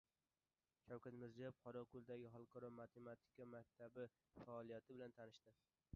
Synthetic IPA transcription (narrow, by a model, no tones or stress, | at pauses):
ʃawkʰʲat̪mɪɾzijab̚qʰɒɾɒkʰʊlˠd̪aɡʲɪɦɒlˠqʰɒɾɒmat̪ʰe̞mat̪ʰi̥kamak̚ʲt̪ʰabɪ | faːlˠijat̪ʰɪbɪlant̪ʰanɪʃt̪ɪ